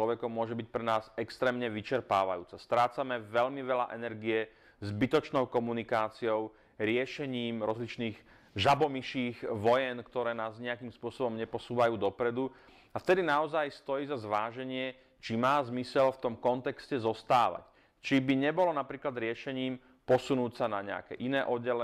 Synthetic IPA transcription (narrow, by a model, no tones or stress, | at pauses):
lɔʋɛkɔmːʊɔʒɛbic̚pɾɛnaːzɛkst̪ɾɛːmɲɛʋit͡ʃɛɾpa̰ːʋa̰jṵːt͡sast̪ɾaːt͡samɛʋɛʎmiʋɛla̰ʔɛnɛɾɡijɛ | zbit̪ɔt͡ʃnɔʊkɔmunikaːt͡siɔʊ | ɾɪɛʃɛɲiːmɾɔzlit͡ʃniːɣ | ʒabɔmiʃiːɣʋɔjɛnkt̪ɔɾɛːnaːzɲɛakiːmspʊɔsɔbɔmɲɛpɔsuːʋajuːd̪ɔpɾɛd̪u | aft̪ɛd̪inaɔzajst̪ɔjiːzazʋaːʒɛɲɪɛ | t͡ʃimaːzmisɛlft̪ɔmkɔnt̪ɛkscɛzɔst̪aːʋa̰c | t͡ʃibiɲɛbɔlɔnapɾiːklad̪ɾɪɛʃɛɲiːm | pɔsunuːcsanaɲɛ̰a̰kɛ̰ːʔinɛːʔɔɟɛlɛ